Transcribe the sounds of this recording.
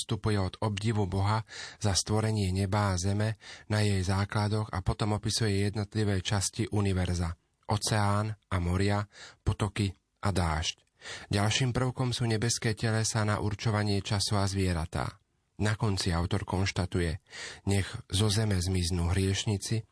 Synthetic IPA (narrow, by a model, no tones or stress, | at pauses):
st̪upujɛɔd̪ɔbɟiʋubɔɦazast̪ʋɔɾɛɲɪɛɲɛbaːzɛmɛnajɛjzaːklad̪ɔɣa̰pɔt̪ɔmɔpisujɛjɛd̪nɔt̪liʋɛːt͡ʃasciʔuniʋɛɾza | ʔɔt͡sɛaːnʔamɔɾɪapɔt̪ɔki | ʔad̪aːʃc | ɟalʃiːmpr̩ʊkɔmsuːɲɛbɛskɛːcɛlɛsana̰ʔuɾt͡ʃɔʋaɲɪɛt͡ʃasɔazʋɪɛɾa̰t̪a̰ː | nakɔnt͡siaʊt̪ɔɾkɔnʃt̪at̪ujɛɲɛɣzɔzɛmɛzmiznuːɦɾɪɛʃɲit͡si